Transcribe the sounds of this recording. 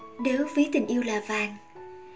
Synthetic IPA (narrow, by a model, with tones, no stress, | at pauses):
ɗəː˨˦wvi˨˦t̪ï˨˩ŋ̟ʔi˧əwlaː˨˩vaː˨˩n